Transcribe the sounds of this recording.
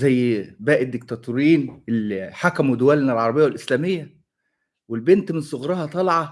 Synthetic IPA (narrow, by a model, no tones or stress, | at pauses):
zæjːbæːʔed̪ːek̚t̪æt̪uɾjiːnelħakæmwed̪owælnælʕɑɾˤɑbejːwelʔeslæːmejːæ | welbent̪mɪnsˤoɣɾˤɑhɑt̪ˤɑlʕɑ